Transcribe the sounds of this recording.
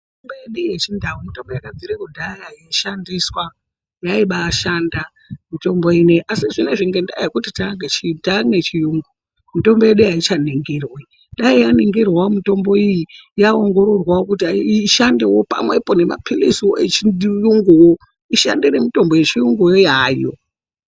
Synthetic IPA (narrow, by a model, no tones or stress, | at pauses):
itombojeɗujet͡ʃindawumito̞mbojakad͡ziɾikundajajeʃandiswa | jaiɓaːʃanda | mito̞mbo̞ineʔasiʐine̞ʐiŋɡe̞nda̰jekutitaŋɡet͡ʃitaŋne̞t͡ʃijuːŋɡu | mito̞mbo̞jeɗujait͡ʃaniŋɡirwi | nɗaijaniŋɡirwamito̞mbo̞ijijaoŋɡo̞ɾo̞rwakutiaiʃandewo̞pa̰mwe̞po̞ne̞ma̰pʰilisoet͡ʃijuŋɡuwo | iʃa̰ndeɾe̞mito̞mbo̞jet͡ʃijuŋɡujojaːjo